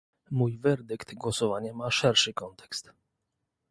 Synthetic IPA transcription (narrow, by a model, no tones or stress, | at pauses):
mujvɛɾd̪ɘkt̪ɡwɔsɔvaɲɛmaʂɛɾʂɘkɔnt̪ɛ̥kst̪